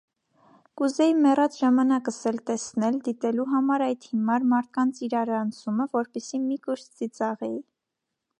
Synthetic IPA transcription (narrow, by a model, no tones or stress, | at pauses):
kuzɛjimɛrɑt͡sʒɑmɑnɑkəsɛlt̪ɛsnɛld̪it̪ɛluɦɑmɑɾɑjd̪himɑɾmɑɾt̪̚kɑnt͡sʰiɾɑɾɑnt͡sʰuməvɔɾpɛsimikuɾst͡sit͡sɑʁɛji